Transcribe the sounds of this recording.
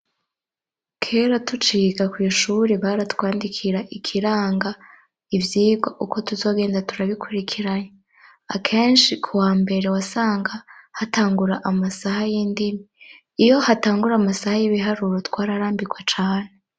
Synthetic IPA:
kʰe̞ːɾatut͡ʃiːɡakwiːʃuɾeβaɾatwaːndikʰiɾaʔikʰiɾaːŋɡa | ivjiːɡwaʔuko̞tuzo̞ːɡeːndatuɾaβikʰuɾikʰiɾaɲa | akʰeːnʃikʰuwaːmbe̞ɾe̞wasaːŋɡahataːŋɡuɾaʔamasahajiːndimiː | jo̞hataːŋɡuɾaːmasahajiβiɦaɾuɾo̞tkwaːɾaɾaːmbikwat͡ʃaːne̞

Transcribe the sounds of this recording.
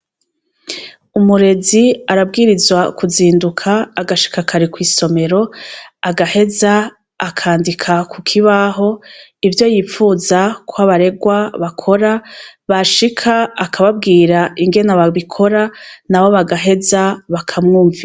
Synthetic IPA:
umuɾe̞ziaɾabɡiːɾizwakuziːndukʰaːɡaʃi̥kakʰaɾekwiːso̞me̞ɾo̞aɡahe̞zaː | kʰaːndikʰakʰukʰiβaɦo̞ivjo̞jifuːzakʰwoaβaɾe̞ɡwaβakʰo̞ɾaβaʃikʰaːkʰaβab̚ɡiːɾaiŋɡe̞naβaβikʰo̞ɾanaβo̞βaɡaɦe̞zaβakʰamŋuːɱvi

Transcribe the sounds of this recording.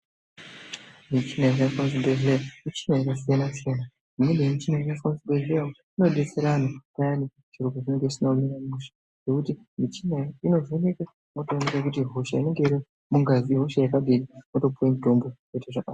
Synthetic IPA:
mit͡ʃinaikafonsbeɮemit͡ʃinajakasijanasijana | imenemit͡ʃinainafonsbeɮeo | ino̞ɗet͡seɾanokajani | t͡ʃirukoʐine̞ŋɡeisinominamuʃḁ | ʐe̞kuti | mit͡ʃinaino̞zoneka | motonekakutiɦo̞ʃaine̞ŋɡe̞iɾi | muŋɡaziɦo̞ʃajakaɓiɾimoto̞puwendʱombot͡ʃeteʐaka

